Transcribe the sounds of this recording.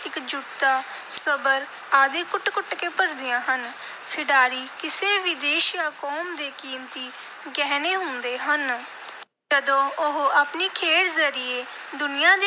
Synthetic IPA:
ɪkd͡ʒʊt̪aː | səbəɾ | aːd̪eːkʊʈkʊʈkeːpəɾd̪ɪjãːɦən | kʰɪɖaːɾiːkɪseːʋiːd̪eːʃjaːkɔːmd̪eːkiːmt̪iː | ɡɛːneːɦʊ̃nd̪eːɦən | d͡ʒəd̪õːʊɦaːpniːkʰeːɽzəɾɪjeː | d̪ʊnɪjãːd̪e

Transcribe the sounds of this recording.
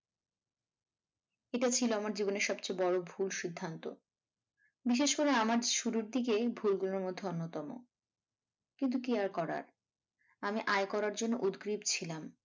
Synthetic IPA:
eʈat͡ɕʰiloamaɾd͡ʑiboneɾʃɔbt͡ɕabɔɽobʱulʃid̪ʱːant̪o̰ | biʃ̬eʃkoɾeamaɾʃuɾuɾd̪ikebʱulɡuloɾmod̪ʱːeonːot̪ɔmo̰ | kint̪̬ukiaɾkɔɾa̰ɾ | amiʔajkɔɾaɾd͡ʑonːoʔud̪ɡɾibt͡ɕʰilam

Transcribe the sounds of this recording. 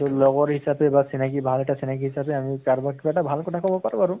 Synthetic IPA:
t̪ɔlɔɡɔɹɦisabebasinakibʱalɛʈasinakiɦisabeamikaɹbakipaʈabʱalkɔʈʰakɔbɔpaɾuaɾu

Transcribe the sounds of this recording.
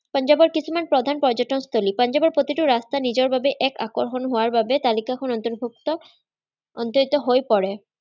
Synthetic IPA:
pʌnd͡ʑabɔɾkit͡ɕʰumanpɾod̪ʱanpɔd͡ʑoʈɔnst̪ʰolipʌnd͡ʑabɔɾpɾot̪iʈuɾast̪anid͡ʑoɾbʱabeʔɛka̰ko̰ɾxonɦoaɾbabet̪alikakʰonɔnt̪oɾbʱuk̚t̪ɔ | ɔ̰nt̪oit̪ɔɦojpɔɾe

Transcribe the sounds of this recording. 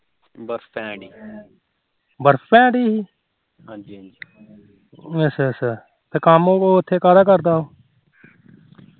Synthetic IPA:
bəɾfpɛ̃ːɖiː | bəɾfpɛ̃ːɖiːiː | ɦãd͡ʒi | esesə | t̪eːkaːmõːkoːɪt̪ʰːeːkaːɾaːkəɾd̪aːɦoː

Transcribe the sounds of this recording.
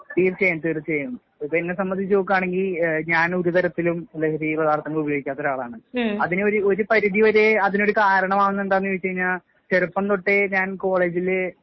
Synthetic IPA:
t̪iːrt͡ɕejɐnt̪iɾt͡ɕejm | ipːoenːesɐmbɐnd̪it͡ɕːoːk̬ːaːɳe̞ŋɡilɲaːnoɾut̪ɐɾɐt̪ːilumlːɐrirɐðaːrt̪ʰɐŋːɐɭubɐjoːɡikʲːaːt̪ːo̞ɾuaːɭa̰ːɳɨɐðinɨoɾuo̞ɾupɐɾuðiʋɐɾeɐðino̞ɾukaːɾɐɳɐmaːɳunːe̞nɖaːnːujoːt͡ɕːɐjiɲːaːɭ | t͡ɕeɾupːɐnd̪oʈːe̞ɲaːnko̞ːɭe̞ːd͡ʑil

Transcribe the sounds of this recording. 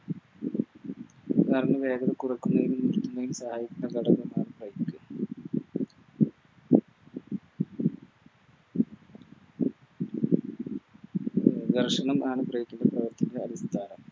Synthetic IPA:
ɐɾɐnːɐʋe̞ːɡɐðɐkurɐkːunːɐjilunːilkːunːɐjumsɐhaːjikʲːuɳɖɐɡɐɽɐʋɐmaːɳɨprɐjikːɨ | d̪ɐrʂɐɳɐmaːɳɨprɐjit̪ʲːuɳːɐprɐʋɐrt̪ʰɐnɐdeɐdist̪ʰaːnɐm

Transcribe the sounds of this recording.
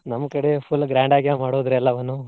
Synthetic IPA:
nɐmːɐkɐɽepʰulːɡɾaːɳɖaːɡijamaːɽoːd̪ɾɛlːɐʋɐnːu

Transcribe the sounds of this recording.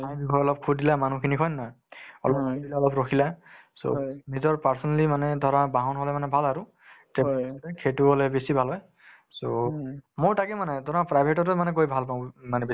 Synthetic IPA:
aj̃bikʰɔjɔlɔp̚kʰudilamanukʰinikʰɔjnːɔj | ɔ̰lɔpdilaɔlɔpɹokʰilaso̰nizɔɹpaɹsɔnalimanɛdʱɔɹabaɦɔnɦɔlɛmanɛbʱalaɹu | tɛptɛkʰetuɦɔlɛbesibʱalɦɔj | somoɹtakɛmanɛdʱɔɹapɹajbʱetɔtɛmanɛkojbʱalpaʊ̃manɛbe

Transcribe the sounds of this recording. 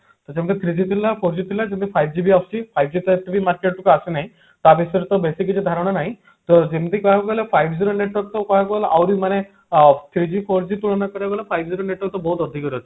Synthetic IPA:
t̪ɔd͡ʒamɔt̪et̪ʰɾid͡ʑit̪ʰiɾilapʰoɾd͡ʑit̪ʰiɾilad͡ʒemt̪ʰipʰajb̚d͡ʒibiɔfsipʰajbd͡ʒit̪ɔeʈibimaɾkeʈ̚ʈukɔasinaɦĩ | t̪abisɔɾt̪ɔbesikid͡ʑid̪ʱaɾɔɽ̃anaɦĩ | t̪ɔd͡ʒemt̪ikɔɦakɔɡɔlepʰajbʱd͡ʒiɾoneʈɔɾ̚t̪ɔkɔɦakɔlaʔawɾimane | t̪ʰɾid͡ʑipʰoɾd͡ʒit̪uɭɔnakɔɾieɡɔlepʰajbd͡ʒiɾoneʈɔɾt̪ɔbɔɦut̪ɔd̪ʱikɔɾt̪i

